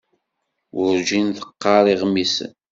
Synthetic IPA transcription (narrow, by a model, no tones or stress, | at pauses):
ʔʊɾd͡ʒinθə̥qːɑɾˤiʁmisə̰n